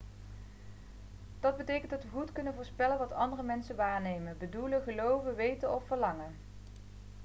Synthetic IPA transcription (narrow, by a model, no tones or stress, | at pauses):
d̥ɑd̚bətejkəntdɑtʋəχutkɵnənvʊːɹspɛlənʋɑtɑndərəmɛnsəʋaːɹnejmənbəduləχəlowvəʋejtənɔfːəɹlɑŋən